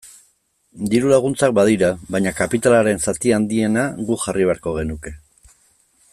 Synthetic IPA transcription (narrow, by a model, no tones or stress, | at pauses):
d̪iɾulaɣ̞unt͡sak̚baðiɾaβajɲakapit̪alaɾe̞nsat̪iand̪ie̞naɣuxarʔiβ̞e̞aɾko̞ɣ̞e̞nuke̞